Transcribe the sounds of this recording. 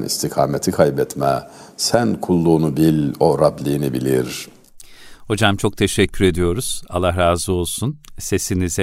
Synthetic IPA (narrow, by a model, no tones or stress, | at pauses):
nḭst̪ʰikʰaːmet̪ʰikʰajbɛt̪mɛsænkʰulˠːuːnubilʲoɾablʲiːnibilʲiɾ | ho̞d͡ʒamt͡ʃʰo̞k̚t̪ʰe̞ʃɛcʰːyɾe̞d̪ijo̞ɾuz̥a̰lˠaɦɾaːzɯo̞lˠsunse̞sinizɛ